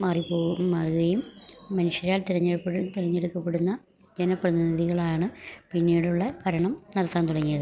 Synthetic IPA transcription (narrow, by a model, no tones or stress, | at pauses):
maːripoːɣummɐːrɣɐjumːɐnuʂɐɾaːlt̪iɾɐɲːeɽupːeɽt̪iɾɐɲːeɽukːɐpːeɽunːɐ | d͡ʑenɐprɐðiniðiɣɐɭaːɳɨpinːiːɽuɭːɐpɐɾɐɳɐmnɐlɐt̪ːaːnt̪uɽɐŋːijɐðɨ